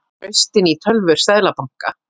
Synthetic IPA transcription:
œɥst̪ɪnit̪ʰœlvʏɾ̥st̪aːðlapaŋ̥ka̰

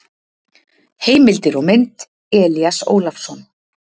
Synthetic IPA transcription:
heːjmɪlt̪ɪɾɔɣmɪnt̪ | ɛːliaso̰ːwlafsɔn

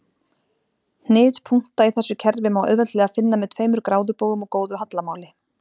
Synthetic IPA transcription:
n̥ɪːðpʰuŋ̥t̪aiθɛsːʏcʰɛɾvɪmawʔœ̰ɥðɛt̪lɛɣafɪnːamɛðt̪ʰfveːjmʏɾkɾaːwðʏpoːwðʏmɔkoːwðʏɦat̪lamaːwlɪ

